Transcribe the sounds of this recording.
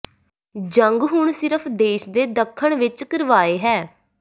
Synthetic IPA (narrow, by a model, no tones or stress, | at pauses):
d͡ʒəŋɡɦʊɳsɪɾəpʰd̪eːʃd̪eːd̪əkʰːəɳʋɪt͡ʃkəɾʋaːeːɦɛː